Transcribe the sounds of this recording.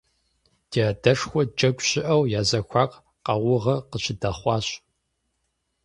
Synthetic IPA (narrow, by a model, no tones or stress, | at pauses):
d̥iadɐʂxʷɔd͡ʒʼɐkʷʼɕɪʔɐwjaːzɐkʷʰɑːq | qɐwʊʁɐqəɕɪdɐχʷɑːɕ